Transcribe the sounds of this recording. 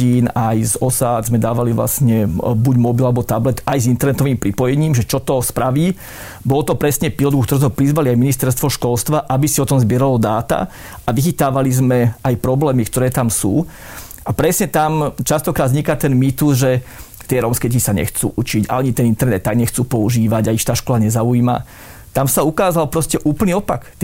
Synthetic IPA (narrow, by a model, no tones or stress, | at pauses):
iːnajzɔsaːd̪zmɛd̪aːʋaliʋla̰sɲɛbuɟmɔbilalɛbɔt̪ablɛt̪ajzint̪ɛɾnɛt̪ɔʋiːmpɾipɔjɛɲiːmʒɛt͡ʃɔt̪ɔspɾaʋiː | bɔlɔt̪ɔpɾɛsɲɛpilɔd̪ɡukt̪ɔɾuːzmɛpɾizʋaliajminist̪ɛɾst̪ʋɔʃkɔlst̪ʋaʔabisiɔt̪ɔmzbɪɛɾalɔd̪aːt̪a̰ | aʋixit̪aːʋalizmɛajpɾɔblɛːmikt̪ɔɾɛːt̪amsṵː | ʔapɾɛsɲɛt̪amt͡ʃast̪ɔkɾaːd̪zɲikat̪ɛnmit̪uzʒɛ | t̪ɪɛɾɔmskɛisaɲɛ̰xt͡sṵːʔut͡ʃiɟa̰aɲit̪ɛnint̪ɛɾnɛt̪ːaɡɲɛxt͡suːpɔuʒiːʋaɟaiʃt̪aːʃkɔlaɲɛzaujiːma̰ | t̪amsaukaːzalpɾɔscɛʔuːpl̩niɔpa̰kt̪